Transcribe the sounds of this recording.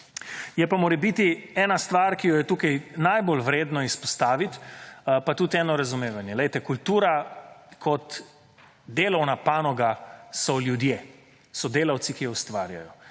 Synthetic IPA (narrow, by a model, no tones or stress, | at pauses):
jɛpamoːɾɛbit̪iɛːnast̪ʋaɾkijɔjɛt̪uːkajnajbolʋɾeːd̪nɔispɔ̥st̪aːʋit̪pat̪uːt̪ɛːnɔɾazumeːʋanjɛlɛjt̪ɛkult̪uːɾakʰɔt̪ | d̪eːlɔwnapaːnɔɡasɔljud̪jeː | sɔd̪eːlawt̪sikijɔust̪ʋaːɾja̰jɔ